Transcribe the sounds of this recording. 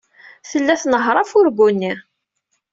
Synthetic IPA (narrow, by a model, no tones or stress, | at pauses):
θəlːæθnəɦɾˤɑfʊɾɡunːi